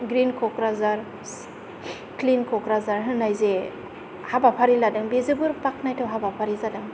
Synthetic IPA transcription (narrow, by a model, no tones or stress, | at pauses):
ɡɾinkʰɔkɾazaɾ | klinkʰɔkɾazaɾɦɯnːajze | habapʰaɾiladɯŋbezɯbɯɾpak̚najtʰawɦabapʰaɾizadɯŋ